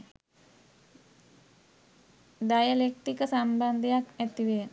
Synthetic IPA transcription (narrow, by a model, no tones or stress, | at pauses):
dajalek̚t̪ikəsamband̪iaket̪iwe